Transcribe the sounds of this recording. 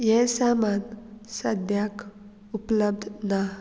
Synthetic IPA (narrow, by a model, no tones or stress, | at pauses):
jɛsamansəd̪ʱjak | upləb̚d̪ʱna